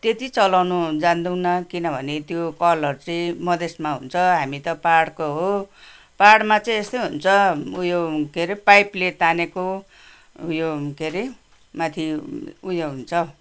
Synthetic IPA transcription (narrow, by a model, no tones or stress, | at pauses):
t̪et̪it͡sʌlawnud͡zand̪uwnʌkinʌbʱʌnet̪jokʌlʌrt͡sʌĩmʌd̪esmaɦunt͡sʰʌɦamit̪ʌpaɽkoɦo | paɽmat͡sʌĩest̪ʌjɦunt͡sʰʌujokʰeɾipajplet̪aneko | ujokʰeɾi | mãt̪ʰiujoɦunt͡sʰʌ